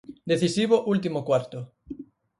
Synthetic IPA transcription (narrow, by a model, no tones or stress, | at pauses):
d̪eθisiβoʔult̪imokwaɾt̪o